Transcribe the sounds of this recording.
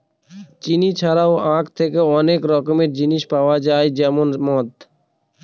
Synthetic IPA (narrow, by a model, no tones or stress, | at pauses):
t͡ʃinit͡ʃʰaɾawãːkʰt̪ʰekeɔnekɾɔkmed͡ʒiniʃpaːwad͡ʒaːjd͡ʒɛmonmɔːt̪